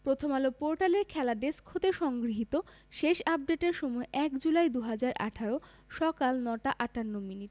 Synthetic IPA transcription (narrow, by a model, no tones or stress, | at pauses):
pɾot̪ʰomalopoɾʈaleɾkʰɛlaɖeskʰot̪eʃɔŋɡɾiɦit̪o | ʃeʃap̚ɖeʈeɾʃomɔeʔɛkd͡ʑulajd̪uɦad͡ʑaɾʔa̰ʈʰaɾo | ʃɔkalnɔʈaʔaʈanːominiʈ